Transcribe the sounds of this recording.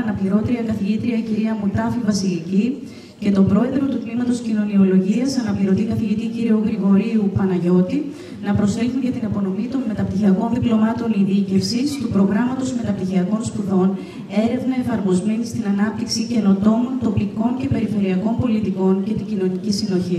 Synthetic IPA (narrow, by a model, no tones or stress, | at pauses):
ɐnɐpliɾo̞t̪eɾiɐkɐθiʝit̪ɾiɐciɾiɐmut̪ɐfivɐsilici | ce̞t̪o̞pɾo̞e̞ðɾo̞t̪ut̪nimɐt̪o̞scino̞nio̞lo̞ʝiɐsɐnɐpliɾo̞t̪ikɐθiʝit̪iciɾioɣɾiɣo̞ɾiupɐnɐʝo̞t̪i | nɐpɾo̞sθeçunʝɐt̪inɐpo̞no̞mit̪o̞nme̞t̪ɐpt̪içiɐko̞nðiplo̞mɐt̪o̞niðice̞fsist̪upɾo̞ɣɾɐmɐt̪o̞sme̞t̪ɐp̚t̪içiɐko̞nspuðo̞n | e̞ɾe̞vnɐe̞fɐɾmo̞zme̞nist̪inɐnɐp̚t̪iksice̞no̞t̪o̞mont̪o̞piko̞ɲce̞pe̞ɾife̞ɾiɐko̞mpo̞lit̪iko̞nce̞t̪iɟino̞nicisino̞çi